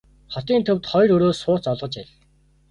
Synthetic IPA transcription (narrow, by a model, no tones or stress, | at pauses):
χɔt̪iːnt̪ʰɵwt̪χɔjɾɵɾoːsʊːt͡sɔɮʁɞ̆t͡ɕæɮ